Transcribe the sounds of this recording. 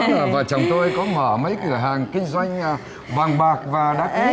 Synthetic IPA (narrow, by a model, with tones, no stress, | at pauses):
vaː˨˩t͡ɕɔ˨˩wŋ͡mt̪o˧jkɔ˨˦mə̰ː˧˩mə˨˦jkɨ˧˩əɦaː˨˩ŋkï˧ŋ̟zwa˧jŋ̟˨ | va˨˩ŋɓaː˨˩k̚vaː˨˩ɗaː˨˦˥k̚i˨˦